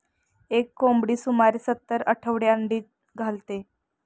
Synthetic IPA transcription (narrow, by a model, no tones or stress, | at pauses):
ekːombɽiːsumaɾisət̪ːəɾəʈʰəʋɽeəɳɖiːt̪̚ | ɡʱalt̪e